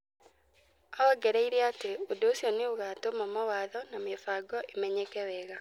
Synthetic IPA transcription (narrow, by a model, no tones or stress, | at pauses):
awaɡɛɾɛiɾɛateodoːsjɔneoɣaːtomamawaːðɔnamefaːɡɔʔemɛɲekɛwɛːɣa